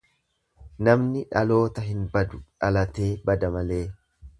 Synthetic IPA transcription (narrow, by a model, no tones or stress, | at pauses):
nɐmnɪᶑɐlo̞ːt̪ɐɦɪnbɐd̪ʊᶑɐlɐt̪e̞ːbɐd̪ɐmɐle̞ː